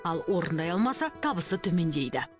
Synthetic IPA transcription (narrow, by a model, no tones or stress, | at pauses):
ɑlˠwʔo̞ɾənd̪ɑjɑlˠmɑsɑt̪ʰɑbəsət̪ʰɵme̞nd̪e̞jd̪ɪ